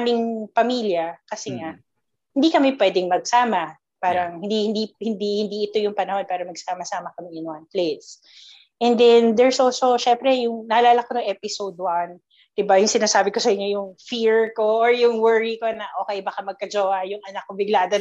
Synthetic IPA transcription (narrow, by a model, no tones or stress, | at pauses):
amɪŋpɐmiːljɐkɐsɛŋa | hɪnd̪ikɐmɛpwɛːd̪ɪŋmɐɡ̚saːmɐ | paːɾɐŋhɪnd̪ihɪnd̪ihɪnd̪ihɪnd̪iʔɪt̪o̞jʊŋpɐnɐho̞npaːɾɐmɐɡ̚saːmɐsaːmɐkɐmɪʔɪnɐnples | ʔɛnd̪ɛnd̪ɛɹsʔolso̞ʃɛmpɾɛjʊŋnɐʔɐlaːlɐkonɐŋʔɛpɪsowd̪̚wan | d̪̥ɪbajʊŋsɪnaːsaːbɪko̞sɐʔɪɲːo̞jʊŋfiɹko̞ʔːɹjʊŋwɛɹikonɐʔo̞ːkɛjbɐkamɐɡ̚kɐd͡ʒoɐjʊŋʔɐnɐk̚ːobɪɡlaːd̪ɐ